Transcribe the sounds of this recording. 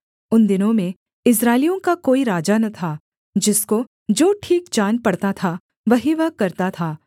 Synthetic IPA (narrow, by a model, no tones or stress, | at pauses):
ʊnd̪ɪnõmẽ | ɪs̬ɾaːɪlijõkakoːiɾaːd͡ʒanɐt̪ʰa | d͡ʒɪsko | d͡ʒoːʈʰiːkd͡ʒaːnpɐɽt̪at̪ʰa | ʋɐɦiʋɐɦkɐɾt̪at̪ʰaː